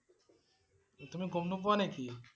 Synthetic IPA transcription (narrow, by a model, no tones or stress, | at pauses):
t̪umiɡomnup̬ɔneki